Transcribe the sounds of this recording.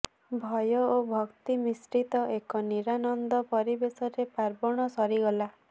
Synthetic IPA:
bʱɔjɔobʱɔkt̪imisɾit̪ɔekɔniɾanɔnd̪ɔpɔɾibesɔɾepaɾbɔɽ̃ɔsɔɾiɡɔla

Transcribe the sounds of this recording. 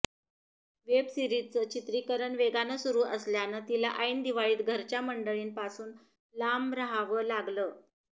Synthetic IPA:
ʋebsiɾit͡sət͡ɕit̪ɾikəɾəɳʋeɡanəsuɾuːʔəsljanət̪ilaʔaind̪iʋaɭiːt̪ɡʱəɾt͡ɕjaməɳɖəɭiːnpasuːn | lamɾaɦaʋəlaɡləː

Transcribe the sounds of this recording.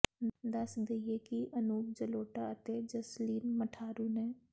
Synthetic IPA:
d̪əsd̪eieːkiʔənuːk̚d͡ʒəloːʈaət̪eːd͡ʒəsliːnməʈʰaːɾuːnɛ̃ː

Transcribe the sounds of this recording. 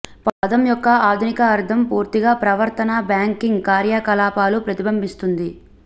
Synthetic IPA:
pad̪ɐmjɔkːɐaːd̪ʱunikɐːɾt̪ʰɐmpuːɾt̪iɡaːpɾɐʋɐɾt̪ɐnaːbjaːŋkiŋɡkaːɾjaːkɐlaːpaːlupɾɐt̪ibʱɐmbʱist̪und̪i

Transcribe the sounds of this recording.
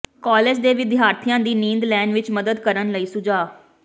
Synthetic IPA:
kɔːleːd͡ʒd̪eːʋɪd̪ɪjaːɾt̪ʰijãːd̪iːnĩːnd̪lɛːɳɖʋɪt͡ʃməd̪əd̪kəɾənləiːsʊd͡ʒaː

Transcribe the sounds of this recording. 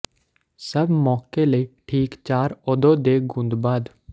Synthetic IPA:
səbmɔːkeləiːʈʰiːkt͡ʃaːɾɔːd̪oːd̪eːɡʊ̃nd̪baːd̪

